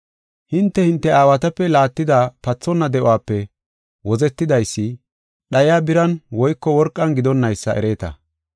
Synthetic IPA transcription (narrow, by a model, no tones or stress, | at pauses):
hɪnt̪ːɛhɪnt̪ːɛaːwɐt̪ɐpːɛlaːt̪ːɪd̪aːpɐt͡sːɔnːɐd̪ɛʔʊwaːpːɛ | wɔzɛt̪ːɪd̪ɐjsːɪ | ɗɐjaːbɪɾɐnwɔjkːɔwɔɾkʼːɐnɡɪd̪ɔnːɐjsːɐʔɛ̰ɾe̞ːt̪ɐ̰